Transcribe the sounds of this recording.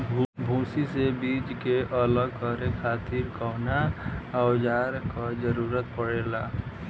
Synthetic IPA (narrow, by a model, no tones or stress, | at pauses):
bʱũsisebid͡ʒkeʔələɡkəɾekʰat̪iɾkɔɦnaːwd͡ʒaɾkad͡ʒəɾuɾət̪̚pəɽela